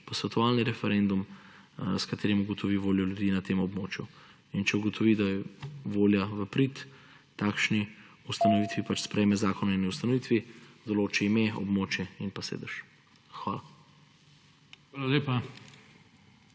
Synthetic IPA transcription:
pɔsɛt̪ɔaːlniɾɛfɛɾend̪um | skat̪eːɾimuɡɔt̪ʰɔʋiʋoːljɔljud̪iːnat̪emɔbmoːt͡ʃju | int͡ʃɛuɡɔt̪ʰɔʋid̪aɛʋoːljaʋəpɾit̪ː | aːkʃni | ust̪anɔʋit̪ʋipat͡ʃspɾɛjmɛzaːkɔnɛniust̪anɔʋit̪ʋid̪ɔloːt͡ʃɛimeɔ̰bmoːt͡ʃjɛinpasḛːd̪əʃ | xʋaːla | xʋaːlaleːpa

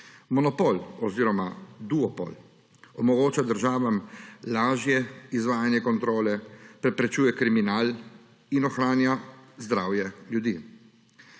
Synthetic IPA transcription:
mɔnɔpolɔziːɾɔmad̪uɔpɔ̰l | ɔmɔɡoːt͡ʃad̪əɾʒaːʋamlaːʒjɛizʋaːjanjɛkɔnt̪ɾoːlɛpɾɛpɾɛt͡ʃuːjɛkɾiminaːl | inɔxɾaːnjazd̪ɾaːwjɛljud̪iː

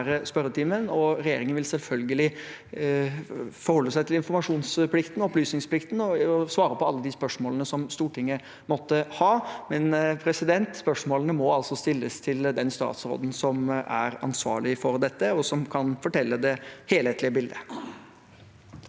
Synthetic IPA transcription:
ɾəspœɾət̪ʰiːmənɔɾɛjeːɾɪŋənʋɪlsɛlfœlɡəlɪ | fɔɾhɔlːəsæɪt̪ʰɪlɪnfɔɾmɑʂuːnspʰlɪkt̪ənɔɔplyːsnɪŋspʰlɪkt̪n̩ɔɔsʋɑːɾəpɔɑlːəd̪ɪspœʂmoːlənəsɔmst̪uːʈʰɪŋːə | mɔt̪ːəhɑːmɛnpʰɾɛsɪd̪ɛnt̪spœʂmoːlənəmɔɑlsɔst̪ɪlːəst̪ʰɪld̪ɛnst̪ɑ̰ːt̪sɾo̰ːd̪n̩sɔmæ̰ɾɑ̰nsʋɑ̰ːɭɪfɔɾd̪ɛt̪ːəɔsɔmkʰɑnfɔʈʰɛlːəd̪ɛheːlheːt̪lɪəbɪld̪ə

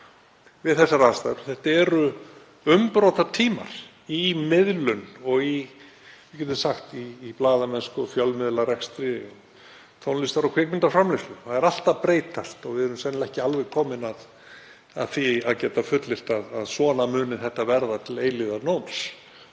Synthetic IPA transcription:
vɪðθɛsaɾaːðast̪aðɾθɛht̪aɛɾʏ | ʏmpɾowt̪at̪ʰiːma̰ɾ̥ | imɪðlʏnɔɣi | vɪ̥cɛːt̪̬ʏmsaxt̪iːplaːðamɛnskʏɔfjœlmɪðlaɾɛkst̪ɾɪɔ | t̪ʰownlɪst̪aɾawkʰvɛːkmɪnt̪afɾamlestlʏθaðɛɾal̥t̪apɾeːjt̪al̥t̪ɔɣvɪðɛɾʏmsɛnlɛhcɪalvɛɣkʰɔːmɪnað | a̰ðθiaðcɛːt̪afʏt̪lɪl̥t̪aðaðsɔːnamʏːnɪθɛht̪avɛɾðat̪ʰɪleːjlɪðanowns

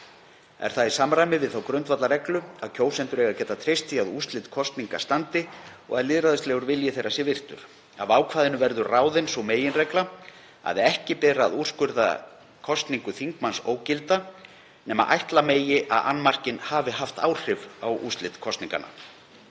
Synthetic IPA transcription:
ɛ̰ɾ̥θaðisamɾajmɪvɪðθawkɾœnt̪vat̪laɾɛklʏaðcʰoːwsɛnt̪ʏɾejɣacɛːt̪at̪ʰɾejst̪ʰiaðust̪lɪt̪kʰɔst̪niŋka̰st̪ant̪ɪɔ̰ɣaðlɪːðɾaðʏslɛːɣʏɾvɪljɪθejrːasjɛvɪr̥t̪ʏ̰ɾ̥ | a̰vaːwkʰvaːðɪnʏvɛɾðʏraːwðɪnsvɔmeːjɪnrɛjkla | a̰ðɪɛhcɪpɛːɾa̰ːður̥skʏɾða̰ | kʰɔst̪niŋkʏθiŋkmansoːwcɪlt̪a | nɛːma̰ʔa̰jht̪lameːjɪʔa̰ðʔa̰nːmar̥cɪnhaːvɪɦaft̪aːwr̥ɪvawust̪lɪt̪kʰɔst̪niŋka̰na̰

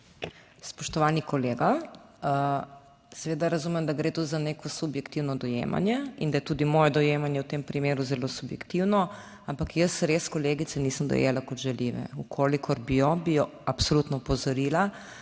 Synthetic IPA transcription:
spɔʃt̪ɔʋaːnikoleːɡa | sɛʋeːd̪aɾazumɛmd̪aɡɾeːt̪uːzaneːkʰɔsubjɛkt̪iwnɔd̪ɔjḛːmʔa̰njɛind̪ajɛt̪uːd̪imɔːjɛd̪ɔjeːmanjɛwt̪empɾimeːɾuzɛloːsubjɛ̰kt̪iwnɔ | ampakjəsɾeːskoleːɡit̪sɛniːsəmd̪ɔ̰jḛlakɔt̪ʒɛliʋɛ̰ukʰoːlikʰɔɾbijɔbijɔapsoluːt̪nɔpɔzɔɾiːla

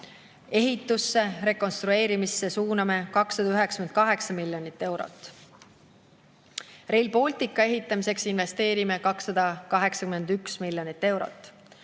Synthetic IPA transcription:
e̞ɦit̪ːˑusːe̞ɾe̞kːo̞nst̪ɾue̞ːɾimisːe̞suːnɑme̞kɑksːɑd̪̥ɑyɦeksymenkɑɦe̞ksɑmiljonit̪ːe̞wɾo̰t̪ːˑ | re̞jlpo̞lʲt̪ikːˑɑe̞ɦit̪ːˑɑmise̞ksinve̞st̪e̞ːɾime̞kɑksːɑd̪̥ɑkɑɦe̞ksɑ̥kyme̞nd̪̥yksmiljonit̪ːe̞wɾo̰t̪ːˑ

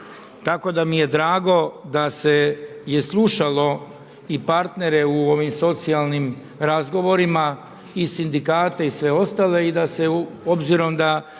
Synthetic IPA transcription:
t̪ako̞d̪amije̞d̪ɾaːɡo̞d̪ase̞je̞slˠuʃalo̞ | ipaɾt̪ne̞ɾe̞uo̞ʋimso̞t̪sialˠnim | ɾazɡo̞ʋo̞ɾima | isind̪ikaːt̪eisʋe̞o̞st̪aːle̞id̪ase̞o̞bziɾo̞md̪a

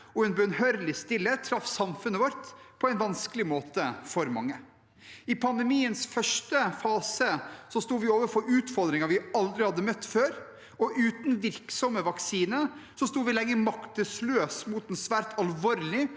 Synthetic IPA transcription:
ɔɛnbœnhøːɾlɪst̪ɪlːət̪ʰɾɑfsɑmfʉnːəʋɔɾt̪pʰɔɛɪnʋɑnskəlɪmoːt̪əfɔɾmɑŋːə | ɪpʰɑnd̪ɛmiːənsfœʂʈəfɑːsəsɔst̪uːʋɪoːʋəɾfɔɾʉːt̪fɔɾd̪ɾɪŋɑʋɪɑld̪ɾɪhɑd̪ːəmœt̪ːføːɾ | ɔʔʉːt̪nʋɪɾksɔmːəʋɑksiːnəsɔst̪uːʋɪlɛŋːəmɑkt̪əsløːsmut̪ɛnsʋæːɾʈ̪ʰɑlʋoːɾlɪ

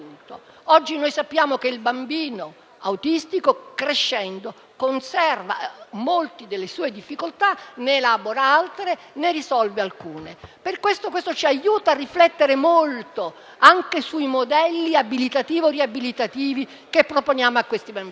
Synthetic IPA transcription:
nt̪o | ɔd͡ʒːinojsapːjaːmokeilbambiːno | awt̪ist̪ikokɾeʃːɛnd̪o | konsɛrva̰molt̪id̪elːesuːed̪ifːikolt̪aneːlaːboɾaalt̪ɾe | nerizɔlvealkuːneperkwest̪okwest̪ot͡ʃiajuːt̪aːrːiflɛt̪ːeɾemolt̪o | aŋkesuimod̪ɛlːiabilit̪at̪iːvoriabilit̪at̪iːvi | kepːɾoponjaːmoakːwest̪ibamb

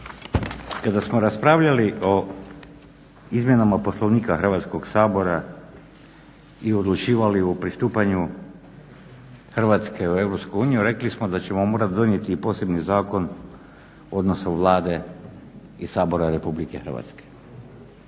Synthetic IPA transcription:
kad̪asmo̞ɾaspɾaʋʎalio̞ | izmje̞namapo̞sloʋniːkaxr̩ʋat̪sko̞ɡsaːbo̞ɾa | io̞d̪lˠut͡ʃiːʋaliupɾist̪uːpaɲu | xr̩ʋat̪ske̞ue̞vɾo̞pskuuːnijuɾe̞klismod̪at͡ɕe̞mo̞mo̞ːɾat̪̚d̪o̞nje̞t̪iːpo̞ːse̞bnizaːko̞n | o̞d̪no̞saʋlˠaːd̪e̞ | isaːbo̞ɾaɾe̞publike̞xrʋa̰t̪ske̥

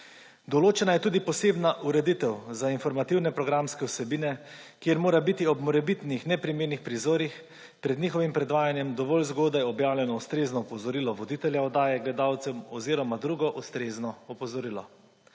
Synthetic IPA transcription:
d̪ɔloːt͡ʃɛnajɛt̪uːd̪ipɔseːbnaʔuɾɛd̪it̪ɛwzainfɔɾmat̪iwnɛpɾɔɡɾamskɛwsɛbiːnɛkjeɾmoːɾabit̪iɔbmɔɾɛbit̪nixnɛpɾimeːɾnixpɾizoːɾix | pɾɛd̪nʲiːxɔʋimpɾɛd̪ʋaːjanjɛmd̪ɔʋɔlzɡoːd̪ajɔbjaːwlʲjɛnɔust̪ɾeːznɔɔpɔzɔɾiːlɔʋɔd̪iːt̪ɛljaɔd̪aːjɛɡlɛd̪awt̪sɛmɔziːɾɔmad̪ɾuːɡɔʔust̪ɾeːznɔɔpɔzɔɾiːlɔ

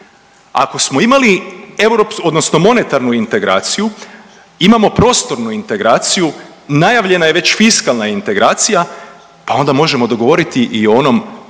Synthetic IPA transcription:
a̰ko̞smo̞imalie̞wɾopo̞d̪no̞sno̞mo̞ne̞t̪aɾnuint̪e̞ɡɾa̰ːt̪siju | imamo̞pɾo̞ːst̪o̞ɾnuint̪e̞ɡɾaːt̪siju | najaʋʎe̞najeʋe̞t͡ɕfiskalˠnaint̪e̞ɡɾaːt̪sija | pao̞nd̪amo̞ʒe̞mo̞d̪o̞ɡoʋo̞ɾit̪iʔiono̞m

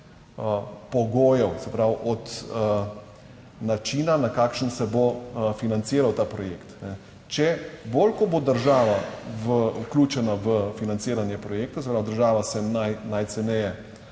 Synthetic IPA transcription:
əpɔɡoːjɛwsɛpɾawʔɔt̪ə | nat͡ʃiːnanakaːkʃənsɛbofinant̪sɪːɾawt̪aːpɾɔjeːkt̪nɛ | t͡ʃɛboːlkɔbod̪əɾʒaːʋaʋəukluːt͡ʃɛnaʋəfinantseːɾanjɛpɾɔjeːk̚t̪os̬ɛpɾawd̪əɾʒaːʋasɛnajnaj̪sɛnɛjɛ

